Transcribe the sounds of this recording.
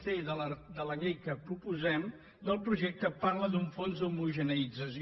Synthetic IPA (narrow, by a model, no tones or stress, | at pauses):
feðələd̪ələɣejkəpɾupuzɛm | d̪əlˠpɾuʒɛk̚t̪əparləd̪uɱfonzd̪umuʒənəid͡zəs